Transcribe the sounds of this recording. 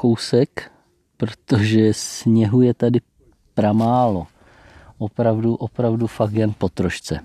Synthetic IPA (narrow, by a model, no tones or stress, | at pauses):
kowsɛk | pɾot̪o̞ʒɛsɲɛɦujɛt̪adɪ | pɾamaːlo̞ | ʔopɾavduʔopɾavdufakjɛnpo̞t̪ɾoʃt͡sɛ